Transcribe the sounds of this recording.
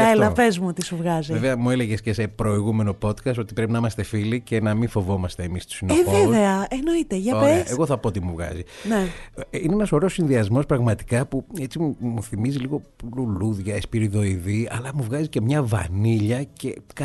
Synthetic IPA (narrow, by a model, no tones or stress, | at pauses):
ɐelɐvezmuot̪isuvɣɐzieveɐmueleɣesce̞sepɾo̞iɣume̞no̞po̞t̪kɐst̪o̞t̪ipɾe̞pinɐimɐst̪e̞filice̞nɐminfo̞vo̞mɐst̪e̞ːmist̪u̥sinevoeveɐeno̞it̪eʝɐoeeɣo̞θɐpo̞ot̪imuvɣɐ̰zineineenɐso̞ɾosːinðiɐzmo̞spɾɐɣmɐt̪i̥kɐpue̞t͡simumuθimiziliɣo̞pluluðʝɐespiɾiðo̞iðiɐlɐmuvɣɐzice̞mɲɐvɐ̰niʎɐce̞k